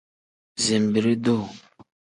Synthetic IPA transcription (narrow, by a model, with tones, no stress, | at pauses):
zi˨mbi˨ɾi˦do˦˨